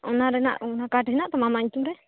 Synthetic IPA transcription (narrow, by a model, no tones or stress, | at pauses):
ɔnaɾɛna̰ʔɔnakaʈɦɛnaʔt̪ɔmamaɲt̪umɾɛ